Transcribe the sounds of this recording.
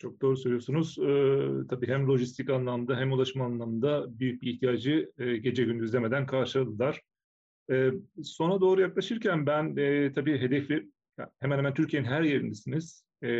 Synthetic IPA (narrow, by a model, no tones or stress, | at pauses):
t͡ʃʰo̞k̚d̪o̞ːɾusølʲijosunuz̥ɯt̪ʰabiːɦæmlʲo̞ʒist̪ʰicanlˠamɯnd̪aɦæmulˠaʃmaːnlˠamɯnd̪abyjyc̚biːçt̪ʰijaːd͡ʒɯɟe̞d͡ʒɛɟynyzlʲeme̞d̪ænkʰaɾʃɯlad̪ɯlˠaɾ̥ | ɛːso̞nad̪oːɾujaklˠaʃɯɾcʰænbænɛt̪ʰabiːɦe̞d̪ɛfʲi | a̰hemænheæmænt̪yɾcʰije̞ninɦæɾje̞ɾind̪ɛsiniz̥